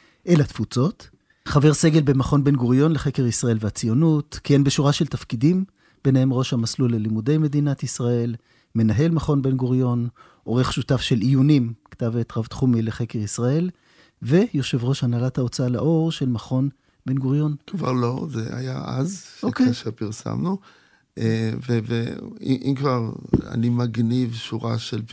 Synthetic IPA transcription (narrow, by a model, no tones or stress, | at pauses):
ʔe̞lat̪fut͡so̞t | χave̞ʁse̞ɡelbemaχo̞nbe̞nɡuʁjo̞nleχe̞keʁisʁaʔe̞lveat͡sijo̞nutkienbeʃuʁaʃeltafkidim | b̥enehe̞mʁo̞ʃhamaslulelimude̞jme̞d̪inat̪isʁae̞l | me̞naɦe̞lmaχo̞nbe̞nɡoʁjo̞n | ʔo̞ʁe̞χʃutafʃe̞lijunimkḁtavet̪ʁavt̪χumileχekeʁisʁae̞l | ve̞jo̞ʃe̞vʁo̞ʃhanalathao̞t͡sala̰ʔo̞ʁʃe̞lmaχo̞n | be̞nɡoʁjo̞nkva̰ʁlo̞zḛa̰jaʔa̰zʃokeaʃeʁpiʁsa̰mnu | ʔeveveḭʔimkvaʁa̰nimaɡnivʃuʁa̰ʃel